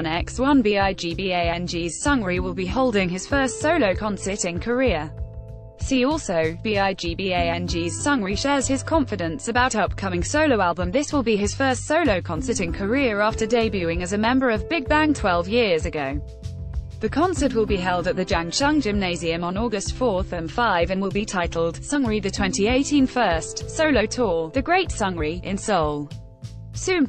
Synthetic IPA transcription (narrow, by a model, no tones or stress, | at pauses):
nɛkswʌ̃nbiaɪd͡ʒibieɪɛ̃nd͡ʒiːz̥sʌ̃ŋɹiwɪlˠbiɦoʊlˠdɪ̃ŋɪz̥fɜˑstsəʊləʊkʰɒ̃nsətɪ̃nkʰəɹɪə | siːɔˑlˠsəʊb̥iːaɪd͡ʒiːbieɪɛ̃nd͡ʒiz̥sʌ̃ŋɹiʃɛːz̥ɪz̥kʰɒ̃ɱfɨdə̃nsəbaʊthɛlˠp̚kʰʌmɪ̃ŋsəʊləʊalˠbə̃mðɪswɪlˠbiɪz̥fɜˑstsəʊləʊkʰɒ̃nsə˞ɾɨ̃nkʰəɹɪəɹɑˑftədeɪbjʉɪ̃ŋɨzɨmɛ̃mbə˞əvbɪɡ̚bæ̃ŋtʰw̥ɛlˠvjɪəzɨɡoʊ | ðɨkʰɒ̃nsət̚wɪlˠbiɦɛlˠdət̪̚ðɨd͡ʒæ̃ŋt͡ʃʰʌ̃ŋd͡ʒɪ̃mneɪziɨ̃mə̃nɔːɡəstfɔˑθə̃nfaɪvə̃nwɪlˠbitʰaɪtʰˡl̩ˠd̥sʌ̃ŋɹiðɨtʰw̥ɛ̃ntieɪtʰĩnfɜˑstsəʊləʊtʰɔːðɨɡɹeɪtsʌ̃ŋɹiʔɪ̃nsoʊlˠ | sʉ̃